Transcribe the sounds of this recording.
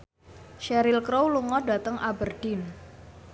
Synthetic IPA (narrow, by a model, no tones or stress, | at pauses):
ʃɛɾɪlkɾowluŋɔda̤t̪əŋʔabərd̥ɪn